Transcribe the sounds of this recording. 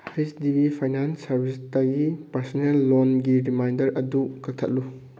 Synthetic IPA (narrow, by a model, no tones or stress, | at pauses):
ajsdibipʰajnansːɐɾbʱistɐɡipɐɾsɔnelːonɡiɾimajndɐɾʔɐdukɐk̚tʰɐ̰t̚lu